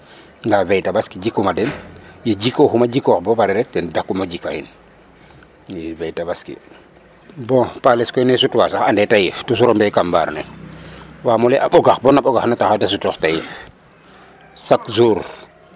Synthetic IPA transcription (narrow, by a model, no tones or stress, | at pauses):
ŋɡavɛjtabaskid͡ʒikːumadɛnjiɟikɔxumaɟikɔxbɔpaɾɛɾɛk̚dɛndakːumaɟikahḭn | jivɛjtabaskḭ | bɔ̃palɛskɔinɛsutuwasaxandɛtajiftus̬uɾɔmbɛjkamba̰ːɾnɛ | wamɔlɛʔaɓɔɡaxbɔnaɓɔɡaxnataxadasutɔxtajif | sakzuːɾ